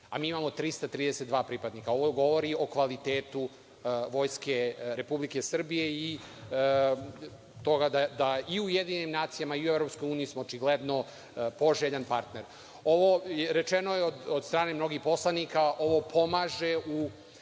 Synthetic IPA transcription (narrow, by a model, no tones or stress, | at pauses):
amiːimamo̞t̪ɾist̪at̪ɾiːd̪eset̪d̪ʋaːpɾipad̪nikao̞ʋoɡo̞ʋo̞ɾio̞kʋalit̪eːt̪u | ʋo̞ːjske̞ɾe̞publike̞sr̩bije̞i | t̪o̞ɡad̪ad̪aiujed̪iːɲenimnaːt̪sijamaiuevɾo̞psko̞juːnijismoːt͡ʃiɡled̪no̞ | po̞ʒeʎanpaɾt̪ne̞ɾ | o̞ʋojeɾe̞t͡ʃeno̞jeod̪od̪st̪ɾaːne̞mno̞ɡixpo̞slˠanikaʔo̞ʋo̞pʰo̞maʒeu